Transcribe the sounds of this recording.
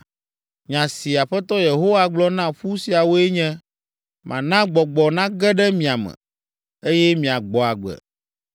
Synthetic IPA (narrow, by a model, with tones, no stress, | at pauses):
ɲã˨si˨a˨ɸɛ˦t̪ɔ˦je˨ɦo˦wa˦ɡ͡blɔ˦nã˦ɸu˦si˨a˨wo˦e˦ɲɛ̃˦ | mʔã̰˨nã˦ɡ͡bɔ˨ɡ͡bɔ˨nã˦ɡɛ˦ɖɛ˦mĩ˨a˨mɛ̰̃˨ | e˦jɛ˦mĩ˨a˨ɡ͡bɔ˨a˨ɡ͡bɛ̰˨